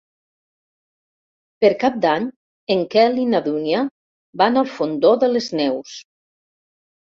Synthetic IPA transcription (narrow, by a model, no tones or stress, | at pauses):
pəɾkap̚d̪aɲ | eŋkɛlinaðunja | banalˠfond̪oðələznɛws